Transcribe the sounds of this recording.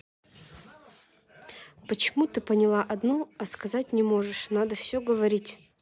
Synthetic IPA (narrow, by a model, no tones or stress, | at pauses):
pət͡ɕɪmut̪ɨpənʲɪlˠaʔɐd̪noɐskɐzatʲnʲɪmo̞ʐɨʂnad̪əfsʲɵɡəvɐɾʲitʲ